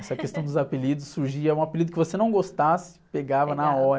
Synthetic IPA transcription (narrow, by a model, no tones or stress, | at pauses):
ɛsɐkest̪ɐ̃w̃d̪ʊzapelid̪ʊsːuɾʒiɐũapelid̪ʊkɪvosenɐ̃w̃ɡost̪asɪ̥peɡavɐnɐaɔɾɐ